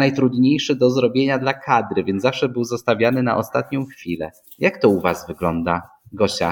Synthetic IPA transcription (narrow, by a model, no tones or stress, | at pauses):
najt̪ɾud̪ɲejʂɘd̪ɔzɾɔbʲjeɲad̪lakʰad̪ɾɘvʲjɛnzafʂɛbɘwzɔst̪avʲjanɘna̰ʔɔst̪at̪ɲɔ̃w̃xfʲilɛ̰ | jakt̪ɔuvazvɘɡlɔnd̪a | ɡɔɕa̰